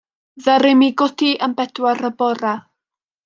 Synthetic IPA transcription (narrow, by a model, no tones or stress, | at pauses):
ðəɾɪmiɡɔtʰiənbɛdwaɾəbɔɾa